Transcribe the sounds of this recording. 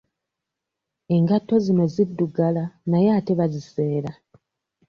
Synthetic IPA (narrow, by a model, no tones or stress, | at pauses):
e̞ŋɡatːo̞zimezidːuɡalanajeate̞βazise̞ːɾa